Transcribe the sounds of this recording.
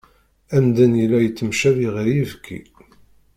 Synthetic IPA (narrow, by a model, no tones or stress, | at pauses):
æmd̪ænjəlːæjət͡sːəmʃæðiʁəɾjivkʰːḭ